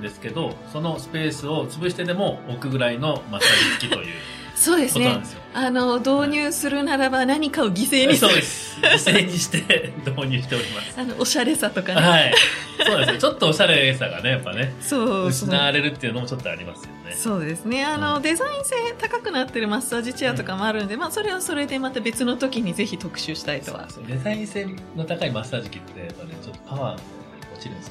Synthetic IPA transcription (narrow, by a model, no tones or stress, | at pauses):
d̪e̞sɨ̥ke̞d̪o̞so̞no̞sɨ̥pe̞ːsɨo̞t͡sɨbɯ̟ɕi̥t̪e̞d̪e̞mo̞okɯ̟ɡɯ̟ɾaino̞masaɡiskʲit̪o̞̰jɯ̟̰ː | so̞ːd̪e̞sɨoneoãd̪sɨjoano̞d̪o̞ːɲ̟ʲɨːsɨɾɯ̟naɾabanaɲ̟ikao̞ɡʲise̞ːɲisoːd̪es | ɡise̞ːɲ̟iɕi̥t̪e̞d̪oːɲ̟ɨ̟ːɕi̥t̪eo̞ɾʲimasɨ̥anoʔoɕaɾe̞sat̪o̞kanhaioonansɨjot͡ɕo̞t̪ːoːɕaɾe̞ɾesaɡa̰ne̞japːa̰ne̞so̞ːɨnaɾe̞ɾɯ̟t̪ːe̞iɯ̟no̞mo̞t͡ɕo̞t̪ːoa̰ɾʲimasɨjoneso̞ːd̪e̞sɨne̞ano̞d̪e̞zaĩɰ̃se̞ːt̪akakɯ̟nat̪ːe̞ɾɯ̟masːaːʑit͡ɕiat̪o̞kamo̞aɾɯ̟no̞d̪e̞maːso̞ɾe̞oso̞ɾe̞d̪e̞mat̪abe̞t͡sɨno̞t̪o̞kʲiɲ̟ize̞çit̪o̞kɯ̟̥ɕɨːɕi̥t̪ait̪o̞̰ka̰d̪e̞zaĩñse̞ːnot̪akaimasaːʑikʲit̪ːe̞japːanḛt͡ɕot̪ːo̞̥paβaːno | ot͡ɕiɾɯ̟ne